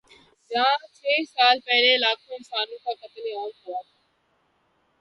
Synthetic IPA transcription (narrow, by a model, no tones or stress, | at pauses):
d͡ʒãːt͡ʃʰeːsaːlpɛɦlelaːkʰonsaːnũkʰaːkət̪leaːmɦoaː